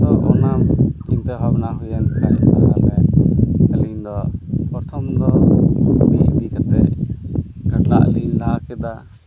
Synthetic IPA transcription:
d̪ɔʔɔnamt͡ʃint̪ɛbʱabnaɦujankʰaɔ̰nalmɛkalind̪ɔpɔɾt̪ʰɔmd̪ɔ | biʔd̪ikʰat̪ɛ̰ʔ | kaʈla̰ʔlilaakɛd̪a

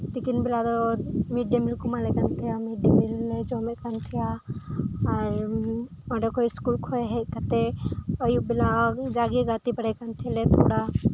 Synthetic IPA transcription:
t̪ikinbilad̪ɔmiɖjemilkumalekant̪ʰijamiɖemilːed͡ʒomekant̪ʰija | aɾ | ɔɖekoiskulkʰɔeɦɛt̪at̪eəjubilad͡ʒaɡiɡat̪ipəɽɛkant̪ʰɛlet̪ʰo̰ɽa

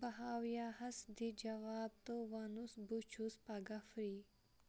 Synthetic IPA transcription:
bɐɦaːwjahɐsd̪id͡ʒɐʋaːb̚t̪owɐnusbut͡ʃʰuspɐɡɐfɾi

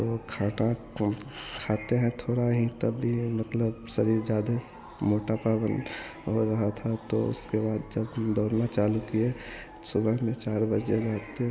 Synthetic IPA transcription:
t̪okʰaːʈa | kʰaːt̪eɦɛ̃t̪ʰoːɽaɦit̪əbːimət̪ləbsəɾid͡ʒjaːd̪e | moːʈapaːbən | ɦoɾɐɦat̪ʰat̪oʊ̰skebaːd̪d͡ʒəbd̪ɔːɾnat͡ʃaːlukie | sʊbəɦmẽt͡ʃaːɾbəd͡ʒeɡaːt̪e

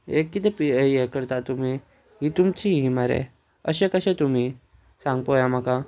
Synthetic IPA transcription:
ekːit̪epiəjekəɾt̪at̪um̤i | ɦit̪umt͡ɕiɦimaɾḛ | ə̰ɕekəɕẽt̪um̤i | sãŋɡ̚pojam̤aka

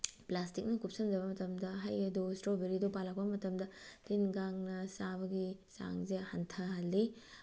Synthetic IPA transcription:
plastik̚nɐkup̚sɐnd͡ʒɐbɐmɐtɐmdɐɦajɐdustɾobeɾidupalɐk̚pɐmɐtɐmdɐtinɡaŋnɐsaβɐɡisa̰ŋzehantʰɐhɐlːi

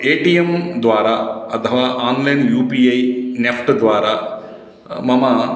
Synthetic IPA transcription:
eːʈiemd̪ʋaːɾaɐt̪ʰɐʋaːʔaːnlɐjnjuːpiːɐjnefʰʈd̪ʋaːɾa | mɐmɐ

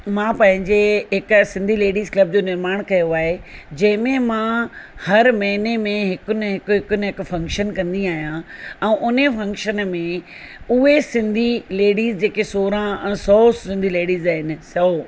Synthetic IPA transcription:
mãːpɐ̃ɦɪ̃ɲd͡ʑeɦɪksɪ̃nd̪ʱileːɽiːzklɐb̚d͡ʑoːnɪɾmaːɽ̃kɐjoaːɦed͡ʑɐ̃ɦɪ̃mẽmãhɐɾmɐɦinemẽɦɪkʊn̆ɦɪkʊɦɪkʊnɪ̆ɦɪkfɐ̃ŋkʃənkɐ̃nd̪iaːɦijãɛ̃ːʔʊnefɐ̃ŋkʃənmẽ | ʊɦesɪ̃nd̪ʱileːɽiːzd͡ʑeːkesoːɾãɛ̃ːsɔːsɪ̃nd̪ʱileːɽiːzaːɦɪnɪ̆sɔː

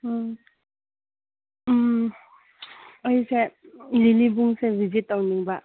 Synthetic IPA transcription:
ɔjselilibuŋsebʱizitːawniŋba

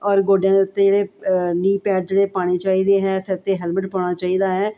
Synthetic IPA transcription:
ɔːɾɡoːɖjãːd̪eʊt̪ːeːd͡ʒeːɽeːniːpɛːʈ̚d͡ʒeːɽeːpaːɽ̃eːt͡ʃaːiːd̪eːɦɛːsɛt̪eːɦɛːlməʈpɔːɽ̃aːt͡ʃaːiːd̪aːɦɛː

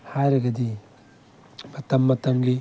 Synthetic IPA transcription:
hajɾɐɡɐd̪i | mɐt̪ɐmːɐt̪ɐmɡi

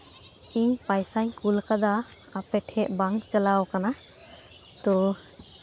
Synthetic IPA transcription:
ipajsajkulkad̪aː | pɛʈʰhɛʔbaŋt͡ʃalawkana | t̪ɔ

